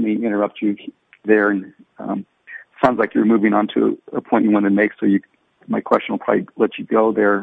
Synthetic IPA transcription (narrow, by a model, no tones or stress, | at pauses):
miɪ̃ɾ̃ə˞ʌp̚t͡ʃɨ | ðə˞ɨ̃nʌ̰̃m | tsãʊ̃ndzlaɪkjə˞mʉvɪ̃ŋə̃ntʰʉ̰ə̰pʰɔ̃ɪ̃nʔjɨwʌ̃nɨt̚meɪksoʊjɨ | maɪkʰw̥ɛst͡ʃn̩l̩ˠpʰɹ̥ɑ̰bilɛt͡ʃɨɡoʊðə˞